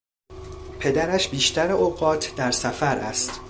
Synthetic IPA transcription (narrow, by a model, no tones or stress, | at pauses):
pʰe̞d̪æɾæʃbiːʃt̪æɾeoɢɒːt̪ʰd̪æɾsæfæɾʔæ̰st̪